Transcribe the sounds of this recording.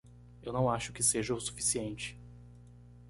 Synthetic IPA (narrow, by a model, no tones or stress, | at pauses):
ewnɐ̃w̃aʃʊkɪseʒɐʊsu̥fi̥siẽnt͡ʃɪ̥